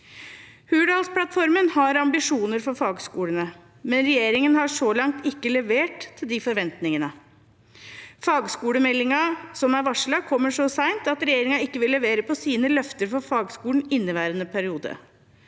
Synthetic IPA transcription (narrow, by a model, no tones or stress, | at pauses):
hʉːɖɑːlspʰlɑt̪fɔɾmənhɑɾɑmbɪʂuːnəɾfɔɾfɑːɡskuːɽənə | mɛnɾɛjeːɾɪŋənhɑʂɔlɑŋt̪ɪkːəlɛʋeːʈt̪ʰːɪld̪ɪfɔɾʋɛnt̪nɪŋənə | fɑːɡskuːɽəmɛlːɪŋɑsɔmæɾʋɑʂlɑkʰɔmːəʂɔsæɪnt̪ɑt̪ɾɛjeːɾɪŋɑɪkːəʋɪlːɛʋeːɾəpʰɔsiːnəlœft̪əɾfɔɾfɑːɡskuːlɳ̩ɪnːəʋæːɾənəpʰæɾɪuːd̪ə̰